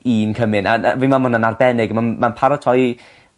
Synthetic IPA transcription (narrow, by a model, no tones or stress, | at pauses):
iːnkʰəmɨnavinmamhʊnanarbɛnɪɡmanmːanpʰaɾɔtʰɔj